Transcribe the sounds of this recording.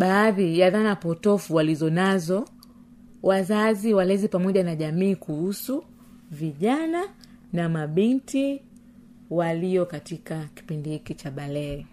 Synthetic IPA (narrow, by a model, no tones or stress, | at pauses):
ɓaːðijaðanapɔtɔfuwalizɔnazɔ | wazaziwalɛzipamɔʄanaʄamiːkuhusu | viʄana | namaɓinti | walijɔkatikaki̥pindihikit͡ʃaɓalɛɛ